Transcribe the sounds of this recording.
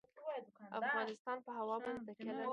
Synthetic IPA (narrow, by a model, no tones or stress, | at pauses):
ʔa̰fɣɑnɪst̪ɑnpəɦawɑmʊnst̪akɪla